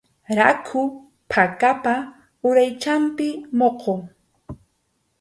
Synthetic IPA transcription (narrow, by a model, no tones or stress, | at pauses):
ɾakʰʊ | pʰakapa | ʊɾajt͡ʃampɪmoqoŋ